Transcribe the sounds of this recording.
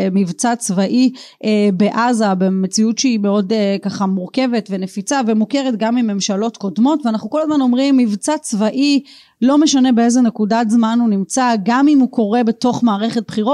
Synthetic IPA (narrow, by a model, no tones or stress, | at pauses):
mivt͡sat͡svaʔi | ebe̞ʔazabemet͡siutʃeimeo̞dkaχamuʁke̞ve̞tve̞ne̞fit͡savemuke̞ʁetɡamimːe̞mʃalo̞tko̞dmo̞tveanaχnuko̞ladmano̞mʁimːivt͡sat͡svaʔi | lo̞meʃane̞beezenekudatzmanunimt͡saɡamimhuko̞ʁe̞be̞to̞χmaːʁe̞χe̞t̚bχiʁo